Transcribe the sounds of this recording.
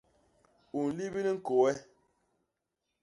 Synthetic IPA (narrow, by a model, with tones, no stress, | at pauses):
u˨n̩˨li˦bi˦li˦ŋ̩˦ko˨wɛ˦